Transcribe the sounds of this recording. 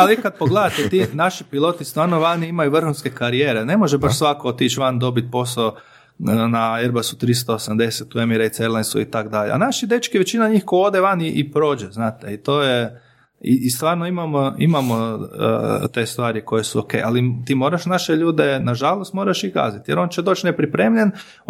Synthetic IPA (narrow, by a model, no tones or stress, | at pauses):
aliikad̪̚poɡled̪at̪et̪inaʃipilˠo̞t̪ist̪ʋaːɾnoʋanimajuʋr̩xunske̞kaɾijeːɾene̞mo̞ʒebaʃsʋakot̪it͡ʃʋand̪o̞bit̪̚po̞sa | naeɾbasu̥t̪ɾis̬t̪oosamd̪e̞set̪uemiɾeit̪seɾlˠensuit̪akd̪aʎea̰naʃid̪e̞t͡ʃkiʋe̞t͡ɕinaɲiːxkojo̞d̪eʋaniʔipɾo̞ːd͡ʒeznaːt̪eit̪o̞ːje | ḭːst̪ʋaːɾnoimamoimamo̰ | t̪e̞st̪ʋaːɾiko̞jesuokḛja̰lit̪iːmo̞ːɾaʃnaʃeʎuːd̪enaʒalˠo̞st̪mo̞ɾaʃika̰zit̪jeɾo̞nt͡ʃed̪o̞ːt͡ʃnepɾipɾeːmʎen